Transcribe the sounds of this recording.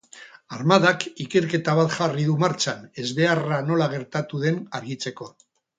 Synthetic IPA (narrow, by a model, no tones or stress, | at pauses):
aɾmaðakike̞ɾke̞t̪aβ̞at̪ʝariðumaɾt͡ʃane̞zβe̞arano̞laɣ̞e̞ɾt̪at̪uðe̞naɾɣit͡se̞ko̞